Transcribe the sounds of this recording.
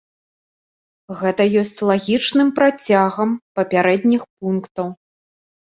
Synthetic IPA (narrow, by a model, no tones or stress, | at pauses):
ɣɛt̪ɐjɔsʲt͡sʲlˠaɣʲit͡ʂnɨmpɾat͡sʲaɣɐmpɐpʲaɾɛd̪ʲnʲixp̚unkt̪ɐw